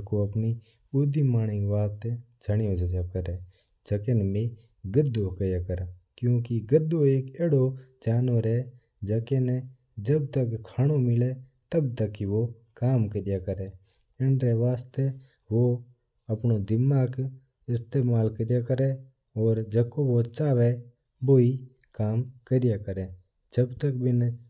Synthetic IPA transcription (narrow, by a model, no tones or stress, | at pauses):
koɐpni | ʊd̪imaːɽ̃iʋaːst̪ed͡ʒʱəɽ̃ɪjõd͡ʒəjakəɾeː | d͡ʒəkenbĩ | ɡəd̪ːokəjaːkəɾakjũːkiɡəd̪ːoeːkeːɽod͡ʒaːnoɾɛ | d͡ʒəkenɛ | d͡ʒəb̚t̪əkkʰaːɽ̃omɪlet̪əbt̪əkːiʋo | kaːmkəɾɪjakəɾeː | ɪnɾeʋaːst̪e | ʋo | əpnod̪ɪmːaːk | ɪst̪eːmaːlkəɾɪjakəɾe | ɔːɾd͡ʒəkoʋot͡ʃaːʋe | boːi | kaːmkəɾɪjakəɾẽː | d͡ʒəbt̪ək̚bʱin